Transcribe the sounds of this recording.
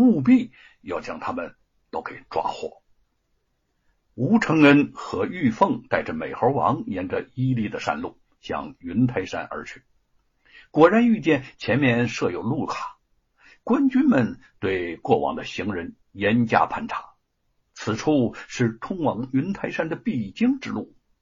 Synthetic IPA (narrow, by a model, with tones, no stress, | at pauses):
mu˥˧p̬i˥˩ | jɑ˥˩ʊt͡ɕjɑ˥ŋt̪ʰa˥mə˨n | t̪o˥ʊkʰɤ˥˩ɪʈ͡ʂwa̰˥xwɔ̰˥˩ | u˧˥ʈ͡ʂʰɤ˧˥ŋə˥nxɤ˧˥y˥˧fɤ˥˧ŋt̪a˥˩ɪʈ͡ʂə˩me˨˩ɪxə˧˥wɑ̰˧˥ŋjɛ˧˥nʈ͡ʂə˨i˥li˥˩d̪ə˩ʂa̰˥˧nlu˥˩ | ɕjɑ̰˥ŋy˧˥nt̪ʰa˥ɪʂa̰˥nʔə̰˞˧˥t͡ɕʰy̥˥˩ | kwɔ˨˩ɻa˧˥ny˥˧t͡ɕjɛ˥˩nt͡ɕʰjɛ˧˥nmjɛ˥˧nʂɤ˥˧˩jo˨˩ʊlu˥˩kʰḁ˨˩˦ | kwa˥nt͡ɕy˥nmə˨nt̪we˥˧ɪkwɔ˥˩wɑ̰˨˩ŋd̪ə˧ɕi˧˥ŋɻə˧˥n | jɛ˧˥nt͡ɕja̰˥pʰa˥˩nʈ͡ʂʰḁ˨˩˦ | t͡sʰɹ̩˨˩ʈ͡ʂʰu˥˩ʂɻ̩˥˩t̪ʰʊ˥ŋwɑ˧˥ŋy˧˥nt̪ʰa˥ɪʂa˥nd̪ə˨pi˥˩t͡ɕi˥ŋʈ͡ʂɻ̩˥˧lu˥˩